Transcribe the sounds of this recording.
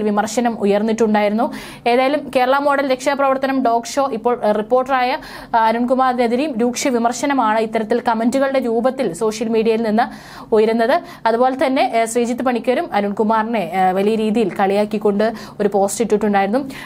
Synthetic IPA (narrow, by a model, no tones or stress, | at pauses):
lʋimɐrʂɐnɐmujɐrnːiʈːuɳɖaːjiɾunːu | e̞ːðaːjɐlumkeːɾɐɭɐmo̞ːɽɐlɾe̞kʂɐprɐʋɐrt̪ɐnɐmɖo̞ːkʂo̞ːʔipːoːripːo̞ːrʈːraːjɐ | ɐnuɳkumaːrneðiɾejumɾuːkʂɐʋimɐrɕɐnɐmaːɳɨit̪ːɐɾɐt̪ːilkɐmenduɣɐɭɨɽe̞ɾuːbɐt̪ːilso̞ːʂjɐlmiːɽijɐjilninːɨ | ojiɾunːɐðɨ | ɐðubo̞ːlet̪ɐnːe̞sriːd͡ʑit̪ːɨpɐɳikʲːɐɾumɐnuɳkumaːrne̞ʋɐlijɐɾiːðijilkɐɭijaːkːikʲːo̞ɳɖɨ | o̞ɾupo̞ːstiʈːiʈːuɳɖaːjiɾunːu